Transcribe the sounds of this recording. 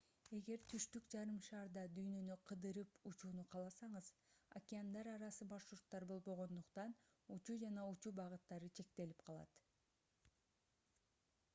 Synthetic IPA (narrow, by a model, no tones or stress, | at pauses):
e̞ɡe̞ɾt̪ʰyʃt̪ykd͡ʒɑɾɯmʃɑːɾd̪ɑd̪yjnø̞nyqʰɯd̪ɯɾɯput͡ʃuːnuqʰɑlˠɑsɑɴɯz̥a̰kʲɪand̪ɑɾɑɾɑsɯbɑʃʃuɾt̪ːɑɾbo̞lˠbo̞ʁo̞nd̪uqt̪ɑn | ut͡ʃud͡ʒɑnɑut͡ʃubɑʁɯt̪ːɑɾɯt͡ʃʰe̞k̚t̪e̞lipqʰɑlˠɑ̰t̪